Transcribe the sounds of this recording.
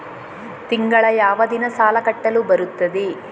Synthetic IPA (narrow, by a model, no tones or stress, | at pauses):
t̪iŋɡɐɭɐjaːʋɐd̪inɐsaːlɐkɐʈːɐlubɐɾut̪ːɐd̪i